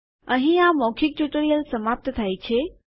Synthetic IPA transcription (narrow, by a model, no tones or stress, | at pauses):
əɦĩamɔkʰik̚ʈuʈoɾijəlsəmap̚t̪t̪ʰajt͡ɕʰe